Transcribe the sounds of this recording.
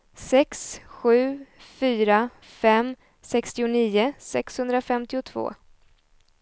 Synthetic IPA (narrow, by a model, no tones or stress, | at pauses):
sɛksɧʉ̟ːfyːɾa | fɛmː | sɛkst̪ɪʊniːʊsɛkshɵnd̪ɾafɛmt̪ɪʊt̪ʰv̥o̰ː